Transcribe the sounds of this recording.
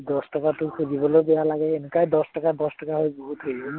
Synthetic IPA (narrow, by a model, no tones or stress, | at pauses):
d̪ɔsʈɔkatʊkʰuɾibɔlobejalaɡɛenukajd̪ɔstɔkad̪ɔstɔkaɦojboɦut̪ɦojbɔ